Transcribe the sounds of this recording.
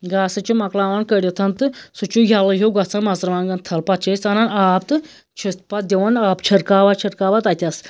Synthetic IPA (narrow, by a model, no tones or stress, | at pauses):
ɡasɐt͡ʃimɐklaʋankəɽʲit̪ʰɐnt̪ɨsut͡ʃuɡʱʲalɐɦewɡat͡sanmasɾʋaŋɡant̪ʰɐlpat͡ʃʰet͡sananapt̪ɨ | t͡ʃʰit̪pad̪ʲeʋanapt͡ʃʰɐɾkaːʋat͡ʃʰɐɾkaʋat̪at̪ʲas